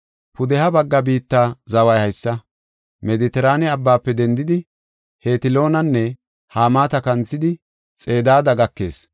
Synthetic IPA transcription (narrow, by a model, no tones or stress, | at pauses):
pʊd̪ɛhɐbɐɡːɐbiːt̪ːaːzɐwɐjhɐjsːɐ | mɛd̪ɪt̪ɛɾaːnɛɐbːaːpːɛd̪ɛnd̪ɪd̪ɪ | he̞ːt̪ɪlo̞ːnɐnːɛ | haːmaːt̪ɐkɐnt͡sːɪd̪ɪ | t͡sʼe̞ːd̪aːd̪ɐɡɐkːe̞ːs